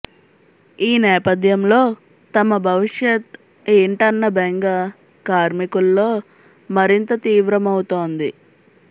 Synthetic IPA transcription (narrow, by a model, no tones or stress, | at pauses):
iːnɛːpɐd̪jɐmlo̞ː | t̪ɐmɐbʱɐʋiʂjɐt̪ | iɳʈɐnːɐbʱeŋɡɐ | kaːɾmikulːo̞ː | mɐɾint̪ɐt̪iːʋɾɐmɐwut̪oːnd̪i